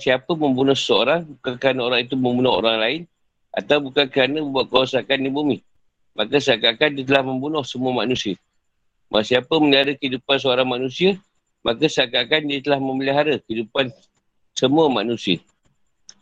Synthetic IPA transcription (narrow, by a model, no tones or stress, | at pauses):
siapəməmbunɔhsə̥səoɾaŋbukankəɾanəoɾaŋit̪umə̃mbunɔɦo̰ɾaŋlaɪn | ʔa̰t̪awbukankəɾanəbəbaʔ̪̚kəwasakandibumi | mʔakəsakakandiət̪əlahməmbunɔhsəmuəmanusiə | mʔa̰siapəməliɦaɾəkəidupans̬əoɾaŋmanusiə | mʔakəsəakakandiət̪əlahməməliɦaɾəkəidupan | səmuəmanusiə